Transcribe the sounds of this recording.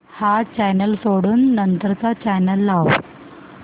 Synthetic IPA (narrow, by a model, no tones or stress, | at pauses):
hat͡ɕɛjnəlsoɽuːnːənt̪əɾət͡sat͡ɕajnəlːaw